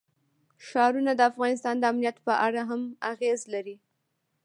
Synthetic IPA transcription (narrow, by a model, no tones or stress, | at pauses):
ʃɑɾunad̪əafɣɑnɪs̬t̪ɑnd̪əamnijat̪pəʔaɽaɦamaɣezlaɾi